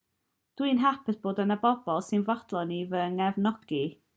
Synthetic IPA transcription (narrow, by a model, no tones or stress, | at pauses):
d̥winɦapʰɪθb̥oːdənəbɔbɔlˠsɨnvɔd̥lˠɔnivəŋɛvnɔɡ̥i